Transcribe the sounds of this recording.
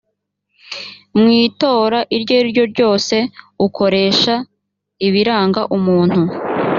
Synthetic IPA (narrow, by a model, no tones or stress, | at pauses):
mŋiːto̞ːɾaʔiɾɟoiɾɟo̞ɾɟo̞ːse̞ukʰo̞ɾe̞ːʃa | iβiɾaːŋɡaʔumuːn̥hu